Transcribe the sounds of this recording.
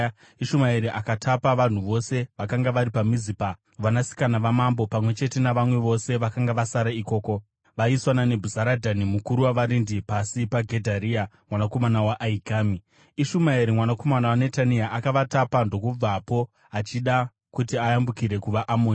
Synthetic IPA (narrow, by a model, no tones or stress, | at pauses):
iʃumaeɾiʔakatʰapaʋan̤uʋo̞se̞ʋakaŋɡaʋaɾipamizipa | ʋanasi̥kanaʋamambo̞pamwe̞t͡ʃe̞te̞naʋamwe̞ʋo̞se̞ʋakaŋɡaʋasaɾaiko̞ːko̞ | ʋaiswanane̞bʱuzaɾadʱanimukuɾuwaʋaɾindipasipaɡʱe̞dʱaɾiamwanako̞manawaʔːikaːmi | iʃumaeɾimwanako̞manawane̞taniaʔakaʋatapando̞kub͡vapo̞ | at͡ʃiɗa | kutiajambukiɾe̞kuʋaʔamoːni